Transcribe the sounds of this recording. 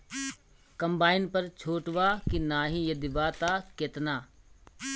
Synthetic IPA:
kɐ̃mbaːɪnpɐɾt͡ʃʰoːʈʋaːkinaːɦĩjed̪ɪbaːt̪aːkɪt̪naː

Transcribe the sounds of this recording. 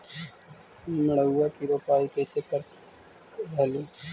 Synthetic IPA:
məɽ̤əːakiɾoːpaːikɛːsekəɾ | ɾɛɦliː

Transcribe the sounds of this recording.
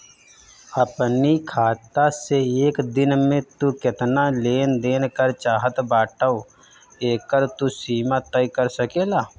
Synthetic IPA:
ɐpnikʰaːt̪aseeːkd̪ɪnmẽt̪ukɪt̪naleːnd̪eːnkəɾt͡ʃaːɦət̪baːʈəo | eːkəɾt̪usiːmat̪əikəɾsəkeːlaː

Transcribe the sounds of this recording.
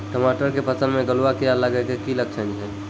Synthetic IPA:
ʈəmaʈəɾkepət͡ʃənmeɡəluwakijaləɡɛkekilək̚t͡ʃʰənt͡ʃʰɛ

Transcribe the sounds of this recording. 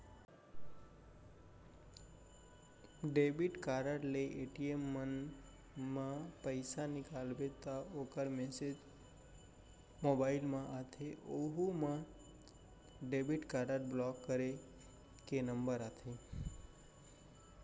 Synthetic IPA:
ɖebiʈkaɾəʈleʔeʈiemːən | mãpəjsanɪkalbet̪aokəɾmesed͡ʒ | mobailmãʔat̪ʰeʔoɦumã | ɖebiʈkaɾəʈblɔkːəɾe | kenəmbəɾat̪ʰe

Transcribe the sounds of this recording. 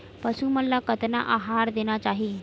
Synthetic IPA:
pəsuməlːakət̪na̰ʔaɦaɾd̪eñat͡ʃaɦi

